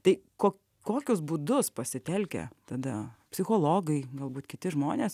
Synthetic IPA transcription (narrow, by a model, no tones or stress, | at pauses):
t̪ɐɪkoːkʲ | koːkʲʊsbuːd̪ʊspɐsʲɪt̪ʲɛlʲkʲɛ̰t̪ɐd̪ɐpʲsʲɪxoːlˠoːɡɐɪɡɐlˠbuːt̪kʲɪt̪ʲɪʒmoːnʲeːs